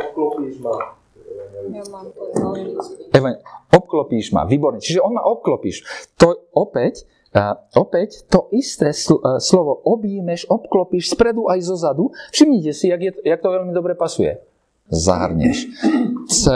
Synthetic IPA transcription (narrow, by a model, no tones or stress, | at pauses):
klpi | ɛʋaɲɔp̚klɔpiːʒma̰ʋiːbɔɾɲɛt͡ʃiʒɛɔnmaʔɔp̚klɔpḭːʃt̪ɔɔpɛc | ɔpɛct̪ɔʔist̪ɛːsslɔʋɔʔɔbjiːmɛʃɔpklɔpiːʃspɾɛd̪uʔajzɔzad̪ufʃimɲicɛsijaɡjɛt̪jak̚t̪ɔʋɛlmid̪ɔbɾɛpasujɛ̰ | za̰ɦrɲɛ̰ʃ | t͡sɛ